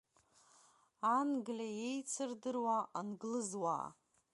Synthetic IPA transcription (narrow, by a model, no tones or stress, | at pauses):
anɡlʲaje̞jt͡sʰɨrdɨrwaʔanɡlɨzwa̰ː